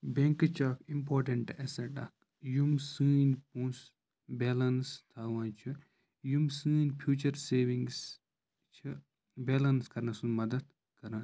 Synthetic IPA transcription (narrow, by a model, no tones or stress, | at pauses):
bẽŋkɨt͡ʃʰaːkimpʰoːɾʈɐɳʈɛseʈɐ̰k̚ | jumsɨːnpũːs | beːlɐnst̪ʰaːʋãːt͡ʃʰɨ | jumsɨːnpʰjuːt͡ʃɐɾseːʋiŋs | t͡ʃʰɨ | beːlɐnskɐɾnɐsunmɐd̪ɐd̪ | kɐɾna